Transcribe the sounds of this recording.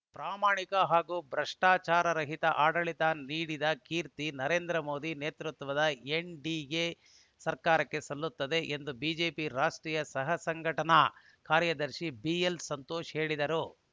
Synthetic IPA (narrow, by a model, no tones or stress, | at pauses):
pɾaːmaːɳikɐɦaːɡuːbɾɐʂʈaːt͡ʃaːɾɐɾɐɦit̪ɐʔaːɽɐɭit̪aːniːɽid̪ɐkiːɾt̪inɐɾe̞ːnd̪ɾɐmo̞ːd̪ineːt̪ɾut̪ʋɐd̪ɐeɳɖiːɡe | sɐɾkaːɾɐkːe̞sɐlːut̪ːɐd̪e̞ʔend̪ubiːd͡ʒe̞ːpiɾaːʂʈɾiːjɐsɐɦɐsɐŋɡʱɐʈɐnɐ | kaːɾjɐd̪ɐɾʃibielsɐnt̪oːʃɦe̞ːɭid̪ɐɾu